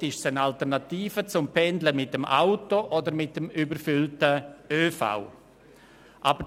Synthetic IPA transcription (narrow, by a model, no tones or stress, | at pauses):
tɪʃsənaltəʁnatiːfət͡sʊmpʰɛndləmɪtdəmʔa̰ʊtoʔɔdəɾmɪt̚əmybəɾfʏltəøːfa̰ʊ | ʔabə